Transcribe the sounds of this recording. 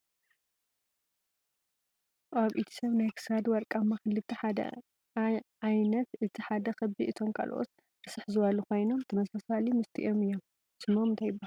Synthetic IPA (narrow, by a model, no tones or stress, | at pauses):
ʔaβʔit̪ʰi̥sɐβnajkʰɨ̥sad̪wɐɾkʼamːaxɨlːɨt̪ʰːiħad̪ɐ̰ | ʕajnɐt̪ʔɨt̪ʰiħad̪ɐxɐbiʔɨt̪ʰo̞mkʼa̰l̰ʔo̰t̪ | bɨsɨħzɨβalːuxo̞jno̞mt̪ʰɨmɐsasalimɨst̪ʰḭʔo̞mɨjːo̞m | sɨmomɨnt̪ʰajɪbːal